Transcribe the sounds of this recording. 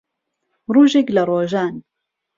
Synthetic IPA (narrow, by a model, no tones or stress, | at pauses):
ɾˤuːʒɪklaɾˤoːʒaːn